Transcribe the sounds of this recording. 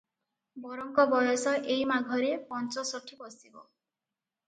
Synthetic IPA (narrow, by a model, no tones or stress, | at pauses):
bɔɾɔŋkɔbɔjɔsɔʔejmaɡʱɔɾepɔnt͡ʃɔsɔʈʰibɔsibɔ̰